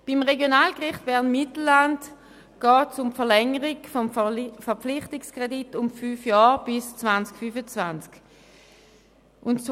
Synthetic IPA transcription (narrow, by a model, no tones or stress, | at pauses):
b̥imʁeɡjonaːlkʁɪχtb̥ɛɐʁnmitl̩ːant | ɡ̥ɑːtsʊmfɛɐlɛŋəʁiɡfɔmfɛɐpp͡flɪχtɪkskʁ̥editʊmfyːfjaːʁb̥ɪst͡svant͡skfyfət͡svansk | ʔʊnt͡s